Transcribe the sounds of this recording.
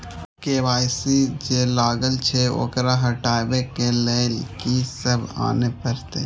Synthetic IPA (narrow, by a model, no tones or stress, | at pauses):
keːʋaːjsid͡ʒeːlaːɡəlt͡ʃʰeo̰ːkɾaɦɐʈaːbekeleːlkisəba̰ːnepəɾt̪eː